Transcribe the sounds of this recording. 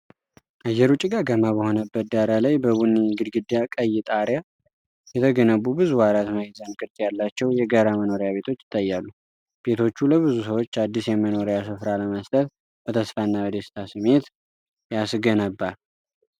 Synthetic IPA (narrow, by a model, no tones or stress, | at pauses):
ʔajːɛɾut͡ʃʼːiɡaɡəmabəho̞nəbːət̪̚d̪aɾalajbəβunːiŋɡɨd̪ɡɨd̪jakʼəjːɪt̪ʼaɾja | jɛt̪ʰəɡənəβubɨzuwaɾat̪məjɪzankʼɨɾt̪ʼjalːat͡ʃːɛwjɛɡaɾaməno̞ɾjaβe̞t̪ʰo̞t͡ʃːɪt̪ʼːajːalːu | b̥e̞t̪ʰo̞t͡ʃːuləβɨzus̬əwo̞t͡ʃːad̪ːisjɛməno̞ɾejasɨfɾaləməst̪ʼət̪ | bət̪ʰəsfanːawəd̪esɨ̥t̪ʰasɨme̞t̪ | jasɡənəbːaɾ